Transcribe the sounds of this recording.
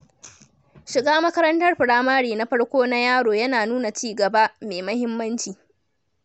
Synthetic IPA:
ʃɪ˨ɡaː˦mɐ˦kɐ˦ɾɐ˦ntɐ˦rɸɪ˨ɽaː˦maː˦ɽiː˨na˦ɸɐ˦ɽkʷoː˦na˦jaː˦ɽoː˨jɐ˦naː˨nuː˦na˨t͡ʃiː˦ɡɐ˨ba˦meː˨mɐ˦hɪ˦mːɐ˦nt͡ʃiː˨

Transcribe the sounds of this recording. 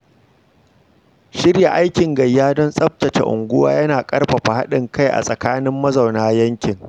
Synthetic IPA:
ʃɪ˦ɽja˨ʔa˦jkʲɪ˨ŋɡɐ˨jːaː˦dɔ˦nsʼɐ˦ɸ̚tɐ˨t͡ʃḛ˨ʔʊ̰˨ŋɡʷʊ˦wa̰ː˦jɐ˦naː˨kʼɐ˦rɸɐ˨ɸa˨ha˦ɗɪ˨ŋka˦jʔa̰˨sʼɐ˨kaː˦nɪ˦mːɐ˦za˨wnaː˦jɐ˦ŋkʲɪ˨ŋ

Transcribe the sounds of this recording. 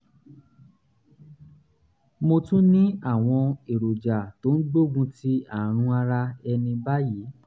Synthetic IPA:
mo˧tũ˦nĩ˦a˦˨w̃ɔ̃˧e˨ɾo˨d͡ʒa˨to˨˦n̩˦ɡ͡bo˦˨ɡũ˧ti˦a˨ɾ̃ũ˧a˧ɾa˧ɛ˧nĩ˧ba˦ji˨˦

